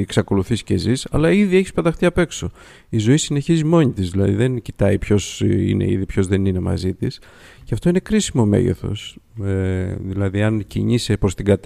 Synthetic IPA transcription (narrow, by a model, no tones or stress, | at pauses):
eksɐko̞luθisi̥ce̞zisɐlɐiðie̞çispɐt̪ɐxt̪iɐpe̞kso̞ | izo̞isine̞çizimo̞ɲit̪izðilɐðiðe̞ncit̪ɐipço̞sḭne̞̰ḭðipço̞zðe̞nine̞mɐ̰zit̪is | ceɐft̪o̞ine̞kɾisimo̞me̞̰ʝḛθo̞̰seðilɐðiɐncḭɲisepɾo̞st̪iɡɐt̪